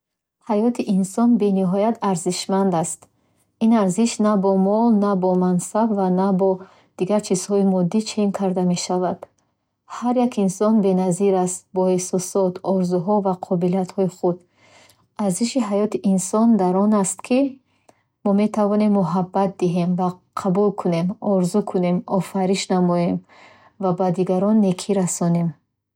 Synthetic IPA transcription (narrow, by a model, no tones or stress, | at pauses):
hajɔt̪ʰiʔinsɔnbe̞niɦɔjat̪ʰaɾziʃmand̪ast̪ | inaɾziʃnabɔmɔlnabɔmansabvanabɔ | d̪̥iɡaɾt͡ʃʰiz̥hɔimɔd̪ːit͡ʃʰenkʰaɾd̪ame̞ʃavad̪̥ | haɾjakʰinsɔnbe̞naziɾast̪̚bɔhesɔsɔt̪ʰɔɾzuɦɔvaqʰɔbiliat̪hɔiχud̪ | aɾziʃiɦajɔt̪ʰiʔinsɔnd̪aɾɔnast̪kʰi | mɔme̞t̪ʰavɔne̞mːuɦabːat̪̚d̪iɦe̞mva | qʰabulkʰune̞mɔɾzukʰune̞mɔfaɾiʃnamɔje̞m | vabad̪iɡaɾɔnːekʰiɾasɔne̞m